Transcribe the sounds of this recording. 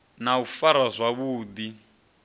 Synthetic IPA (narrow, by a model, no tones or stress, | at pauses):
naufaɾazʷwaβuːd̪i